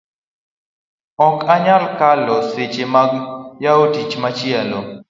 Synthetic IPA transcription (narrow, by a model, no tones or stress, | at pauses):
ɔkaɲalkalɔset͡ʃemaɡjaotit͡ʃmat͡ʃɪɛlo